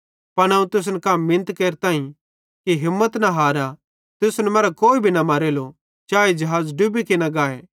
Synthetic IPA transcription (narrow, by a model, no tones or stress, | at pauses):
pɐɽ̃aːũt̪ʊs̬nɛkaːmːɪnət̪keːɾt̪ãːɦĩ | kiɦɪmːət̪nɐɦaːɾa | t̪ʊsnɛmɐːɾakoːibʱinɐmɐːɾelo | t͡ʃaːed͡ʒɐɦaːzɖubikinɐɡaːḛː